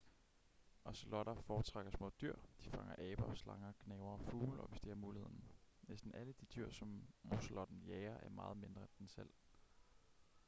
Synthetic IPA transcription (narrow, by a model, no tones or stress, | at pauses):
ɒ̽slɒɾ̥ɐfɒ̥ːt͡sʰʁaɡ̥ɐsmɔ̰̽ːd̥yɐ̰d̥ifɑ̈ŋɐʔɛːb̥ɐslɑ̈ŋɐɡ̥nɛːʊɐfuːlɒ̽ʋe̝sd̥iæɐmuːlihe̝ð̰ˠn̩nesd̥n̩æləd̥id̥yɐ̰sɒ̽mmo̝slɒ̽d̥n̩jɛːɪɐʔæɐmɑ̈ːð̩ˠme̝nd̥ʁɐend̥ensel̰